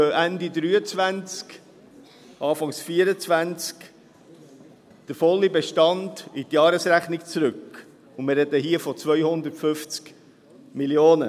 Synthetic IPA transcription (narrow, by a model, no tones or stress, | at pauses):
øʔændidɾyːət͡svænt͡sk | ʔɑːfɑŋsfiːəɾət͡svænt͡sk | d̥əfɔlːibeʃtɑnditjɑːɾəsɾæχnikt͡sɾʏk | ʊnmɪrːɛdəɦiəfɔt͡svœʏhʊnd̪ətfʏft͡sk | miljoːnə̰